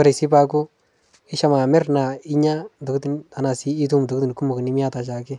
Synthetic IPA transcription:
a˦ɾi˨si˦pa˦kʊ˦ | ɪ˦ʃa˦ma˨mɛ˦ɾna˨ɪ˦ɲa˦ndo˨kti˦nta˨na˨siː˦t̬u˦m˨do˨kti˨n˨ku˦mʊ˨knɪ˦mɪ˦a˦ta˨t͡ʃa˨kɪ˦

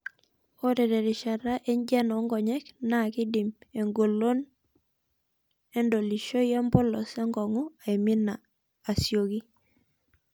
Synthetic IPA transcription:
o˦ɾɛ˨dɛ˨ɾɪ˨ʃa˨ɾa˦ʔe˦ɲd͡ʒɛ˦nɔ˨˦ŋɡɔ˨ɲɛ˦kna˨kɪ˦di˨me˨ŋɡo˨lo˦n | e˦ndo˨li˨ʃo˦ja˦mbɔ˦lɔ˨se˦ŋɡɔ˨ŋɔ˦a˨i˨mi˦naː˨ | sjo˨ki˦

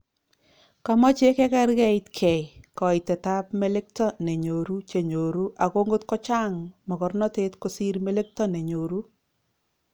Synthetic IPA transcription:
ka˨mɔ˦t͡ʃe˦kɛ˦ka˦ɾkɛ˦i˦tkʰɛ˨jkɔ˨i˨tɛ˨ta˦pme˦le˦k̚tɔ˦ne˨ɲo˨ɾu˦t͡ʃe˨ɲo˨ɾu˦ʔa˨ko˦ŋɡo˦tkɔ˦t͡ʃa˦ŋmɔ˨kɔ˨rnɔ˦te˦tko˦si˦ɾme˦le˦k̚tɔ˦ne˨ɲo˨ɾu˦

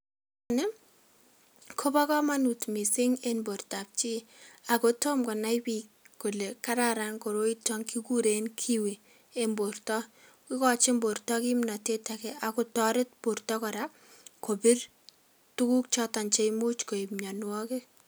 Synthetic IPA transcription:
anɛ˦ | kʰo˦ba˦kɔ˦ma˦nu˨tmi˨sɪ˦ŋe˦nbo˨rta˨p̚t͡ʃi˦a˨ko˦to˦mkɔ˨na˦jpi˦kː | o˨le˨kaɾaɾa˦ŋko˨ɾo˦itɔ˦ŋki˦ku˦ɾe˨nkʰi˦wi˨ | e˦mbo˨rtɔ˦ | kɪ˦kɔ˨t͡ʃɪ˦mbo˨ɾtɔ˦ki˦mna˨te˦ta˨kɛ˦a˨ko˨tɔ˦ɾɪ˦t̚po˨rtɔ˦kɔ˨ɾa˦ | ko˨bɪ˦r | tu˦ku˦k̚t͡ʃɔ˦ta˨nt͡ʃe˦jmu˦t͡ʃko˨i˨pmɲa˨nwɔ˦ke˦

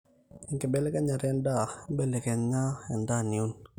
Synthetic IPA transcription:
i˨ŋkɛ˨bɛ˦lɛ˦ka˦ɲa˨ɾɛ˦nda˦bɛ˦lɛ˨kɛ˨nɲa˦ɛ˨nda˦ni˨u˦n

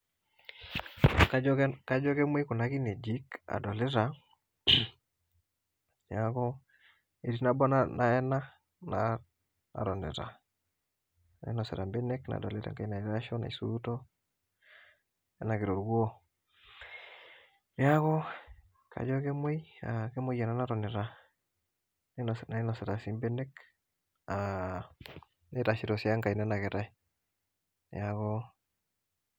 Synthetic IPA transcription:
kaka˦d͡ʒɔ˦kɛ˦mwe˦ku˨na˦ki˦ne˨d͡ʒi˦ka̰˨dɔ˨lɛ˦ɾa˨ | jakɔ˦ | e˨ɾi˨na˦bɔ˦nana˨ɛ˦na˦ | na | na̰˨ɾɔ˨ndɛ̰˨ta̰˨ | nɛ̰˨nɔ˨sɛ̰˨ɾa˨mbɛ˦nɛ˦kna̰˨dɔ˨lɛ˦ɾa̰˨ŋka˦i˦na˨i˨ɾa˦ʃɔ˦na̰˨isu˦tɔ˦ | nḛ˦na˨ɡi˨ɾo˨ɾɡo˦ | n˦ja˦ɡo˦ | kʰa̰˨ɟo˦ɡe˦mo˦jake˦mu˦ja˨na˦na˦ɾo˨ne˨ɾa˦ | n˦na˨˦no˨se˨ɾa˨si˦mbe˦ne˦k | a | ne˦ta˨ʃi˨ɾo˨si˨a˦ŋka˨jine˦na˨ɡe˨ɾa˦ | nḛ˨ja˨ɡo˦

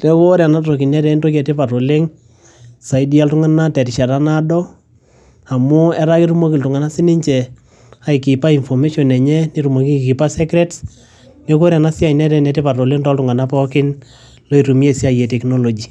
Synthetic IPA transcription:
lɛ˦ko˦ɾja˨na˦tɾo˨ki˨nɛ˦ɾɛ˨nto˦kɛ˨tɪ˦pa˨to˨le˦ŋ | sa˨idi˦a˦ltʊ˦ŋa˦na˦tɛ˨ɾɪ˨ʃa˨ta˦nadɔ˦ | a˨mʊ˦ɛ˦ɾa˦kɪ˦ɾu˦mo˦kɪ˨ltu˨ŋa˨na˦sɪ˦nɪ˦ɲt͡ʃɛ˨ | a˨i˨kɪ˨pa˦i˨nfɔ˨me˦ʃɔ˨nɛ˨ɲɛ˦neɾu˨mo˨ki˦ki˨pa˦sɛ˦kɾɛ˦ts | ne˦k̬o˦ɾa˨na˦sɪ˦a˨i˨nɛ˦ɾɛ˦nɛ˨tɪ˦pa˨ɾo˨le˦ŋtɔ˦ltʊ˨ŋa˨na˦pɔ˦kɪ˦n | lo˦i˨ɾu˨mi˦e˨si˦a˦jɛ˨tɛ˨kno˦lo˨d͡ʒi˨

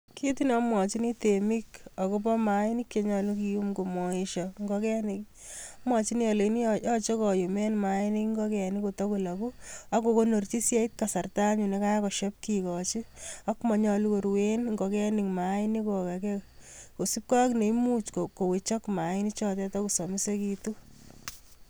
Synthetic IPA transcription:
kʰi˦tina˦mwɔ˨t͡ʃi˦ni˦temi˦ka˨ko˦p̬ɔ˦maini˦kje˨ɲɔlukiumko˨mɔ˨ɪʃɔŋɡɔkɛ˦nik | mwat͡ʃini˦jɔ˨lenijɔ˦t͡ʃo˦kɔju˨me˦nmaɪni˦kŋɡɔ˦kɛniko˨to˦kulaku˦a˦ko˨ko˦no˨rt͡ʃi˦sje˦it̚ka˨sa˨rta˦mɲu˨ne˦ka˦kɔ˨ʃɔ˦p̚kikɔ˨t͡ʃia˦kmɔ˨ɲɔlu˦ko˨ɾwenŋɡo˨kɛ˦ni˨ŋma˨ɪni˦ko˨ka˨kɛ˦ko˨si˦p̚ka˦kne˨imu˦t͡ʃkoko˨we˨t͡ʃɔ˦kma˨ɪ˦ni˦t͡ʃɔ˦tɛ˦tɔ˦ku˨so˨mi˦se˦ki˧tu˦

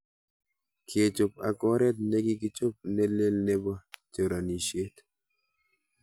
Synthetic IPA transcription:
kʰje˨t͡ʃo˨p̚a̰˨kɔ˦ɾɛ˦t̪̚ne˦ɡɪ˦kɪ˦t͡ʃo˦p̚nɛ˦le˦lnɛ˦ba˦t͡ʃo˨ɾa˨ni˨ʃe˦t̪

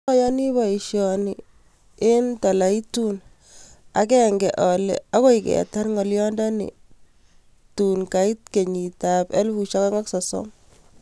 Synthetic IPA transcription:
ɔ˦jɔ˦ni˦bɔ˨i˨ʃjɔ˨ni˨ | ɪ˦ntɔ˨la˨i˦tu˦n | a̰˨kɛ˦ŋɡɛ˨ʔɔ˨lɛ̰˨a˦ko˦i˨kɛ̰˨ta˦nŋɔ˨ljɔ˦ndɔ˦nḭ˨ | tu˨nka˨i˦t̚ke˨ɲi˨ta˨pɛ̰˦lbu˨ʃa˦ka˦ŋa˦ksɔ˨sɔ̰˦m

